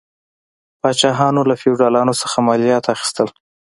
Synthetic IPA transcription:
pɑt͡ʃɑɦɑnolafiwɖɑlɑnosə̥xamɑlijɑt̪axi̥st̪əl

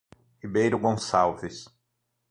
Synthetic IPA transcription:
ibejɾʊɡõsawvɪs

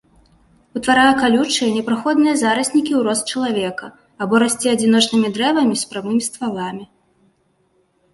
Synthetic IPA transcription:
ut̪vaɾajɐkalʲut͡ʂɨjɐnʲɛpɾaxɔd̪nɨjɐzaɾɐsʲnʲikʲiwɾɔst͡ʃɐlˠavʲɛkɐ | abɔɾasʲt͡sʲɛɐd͡zʲinɔt͡ʂnɨmʲid̪ɾɛvɐmʲispɾamɨmʲist̪valˠamʲi

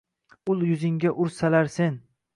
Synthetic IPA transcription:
ʊlˠjʊzɪŋɡʲaʔʊɾsalaɾsen

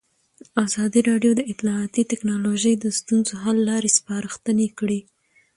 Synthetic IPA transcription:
azɑd̪iɾɑɖjod̪əɪt̪lɑɑt̪it̪ɪknɑloʒəjd̪əst̪unzoɦalːɑɾespɑɾəxt̪ənekɽi

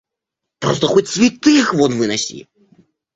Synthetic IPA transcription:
pɾɔst̪ɐxɔt͡sʲsʲvʲit̪ɨxvɔnvɨnasʲḭ

